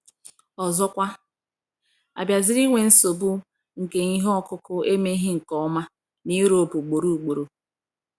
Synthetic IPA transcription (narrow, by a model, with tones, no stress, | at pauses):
ɔ˨zɔ˦kʷa˦ | a̰˨bja˨zɪ˦ɾi˦ŋʷe˨n̩˦so˨bu˦ | ŋ̩˨ke˨ŋi˦ɦɔ˦kʊ˦kʊ˦e˦me˦i˦ɦɪ˦ŋ̩˨kɔ˦ma˦ | ni˦ɾo˨bu˨ɡ͡bo˨ɾu˦˨k͡po˨ɾo˨